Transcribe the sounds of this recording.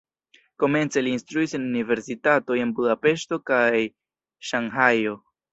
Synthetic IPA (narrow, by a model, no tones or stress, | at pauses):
ko̞me̞nt͡se̞liːnstɾuisenunive̞ɾsitato̞je̞nbudape̞ʃto̞kaj | ʃaŋɦajo̞